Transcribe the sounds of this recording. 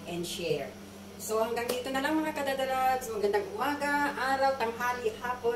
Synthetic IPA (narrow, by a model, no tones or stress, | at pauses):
ʔɛnd̪ʃɛɹ | sohɐŋɡaŋd̪iːt̪onɐlaŋmɐŋakɐd̪ad̪ɐlad̪smɐɡɐnd̪aŋʔʊmaːɡɐʔaːɾɐwt̪ɐŋɦaːlihaːpo